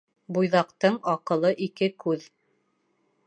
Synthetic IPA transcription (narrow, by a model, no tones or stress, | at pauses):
bujðɑqt̪ɤɴɑqɤ̆lˠɤʔikɘkʉð